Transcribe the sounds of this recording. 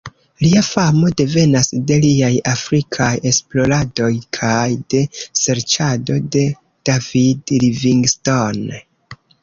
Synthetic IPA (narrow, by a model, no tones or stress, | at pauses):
liafamo̞de̞ve̞nasde̞liajafɾikʰaje̞splo̞ɾado̞jkʰajde̞se̞ɾt͡ʃado̞de̞ | d̥avidliviŋɡston